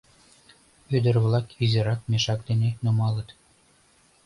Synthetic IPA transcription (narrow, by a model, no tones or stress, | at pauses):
ød̪ə̆rβlˠɑkizʲeɾɑk̚mʲeʃɑk̚d̪enenumɑlˠɤ̆t̪